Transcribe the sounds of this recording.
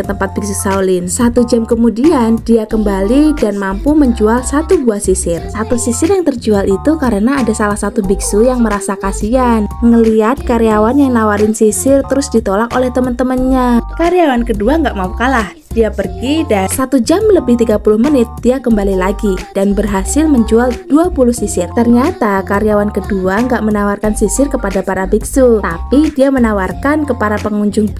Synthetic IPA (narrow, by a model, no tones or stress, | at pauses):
ət̪əmpat̪̚biksusaulɪnsat̪ud͡ʒamkəmudiandiakəmbalidanmampuməɲd͡ʒualsat̪ubuahsisɪrsat̪usisɪrjaŋt̪ərd͡ʒualit̪ukaɾənaːdasalahsat̪ubiksujaŋməɾasakasianŋəliat̪̚kaɾiawanjaŋnawaɾɪnsisɪrt̪əɾʊsdit̪olakolɛht̪əmənt̪əmənɲakaɾiawankəduaŋɡaʔmaukanlah | d̥iapərɡidasat̪ud͡ʒamləbɪht̪iɡapulʊhmənɪt̪̚d̥iakəmbalilaɡidanbərɦasɪlməɲd͡ʒualduapulʊhsisɪrt̪ərɲat̪akaɾjawankəduaŋɡaʔmənawarkansisɪrkəpadapaɾabiksut̪apidiamənawarkankəpaɾapəŋuɲd͡ʒʊŋ